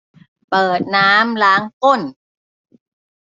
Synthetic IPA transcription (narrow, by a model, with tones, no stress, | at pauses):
pɤː˨˩t̪̚naː˦˥mlaː˦˥ŋko˥˩n